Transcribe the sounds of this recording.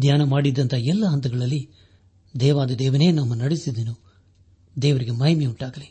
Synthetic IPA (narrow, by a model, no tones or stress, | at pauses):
d̪jaːnɐmaːɽid̪ːɐnt̪ʰɐɛlːɐɦɐnt̪ɐɡɐɭɐlːi | d̪ɛːʋaːd̪ɐd̪ɛːʋɐne̞ːnɐmːɐnɐɽesid̪enu | d̪ɛːʋɐɾiɡemɐɦjmeuɳʈaːɡɐli